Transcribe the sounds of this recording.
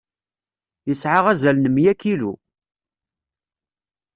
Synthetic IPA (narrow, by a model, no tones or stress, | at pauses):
jəsʕaʁæzælnəmjækːilṵ